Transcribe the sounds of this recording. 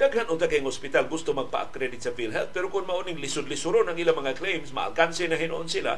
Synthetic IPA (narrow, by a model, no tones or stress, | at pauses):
d̪aɡhanʊt̪akajŋhʊspɪt̪alɡʊst̪omaɡ̚pa̰ʔa̰kɾɛdɪt̪sɐfilɦɛlt̪̚pɛɾokʊnmaʔʊnɪŋlɪsʊd̪lɪsʊɾonaŋʔilamɐŋaklejmsma̰ʔa̰lkansɪnaɦɪnoʔonsila̰